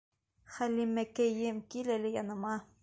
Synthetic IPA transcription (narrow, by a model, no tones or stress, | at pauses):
χælːimːækæjɘmkilɘlʲɘjɑnɤ̆mɑ